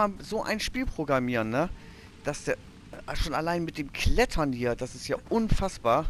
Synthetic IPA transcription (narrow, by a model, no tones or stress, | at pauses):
aːzoːʔa̰ɪnʃpiːlpʁ̥oɡʁamiːʁənːə | d̥asd̥eː | ʃoːnalaɪnmɪt̚d̥eːmkʰlɛtʰɐnhiːɐd̥asɪstjaːʔʊnfasb̥aːɐ